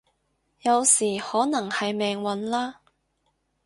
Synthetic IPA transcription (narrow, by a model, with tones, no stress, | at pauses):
jɐ˨˧wsiː˨˩hɔː˨˥nɐ˨˩ŋhɐ˨jmɛː˨˧ŋwɐ˨˥nlaː˥